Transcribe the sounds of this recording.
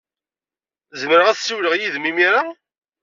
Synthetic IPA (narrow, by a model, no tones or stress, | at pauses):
zəmɾəʁæθsuwləʁjiðmimiɾa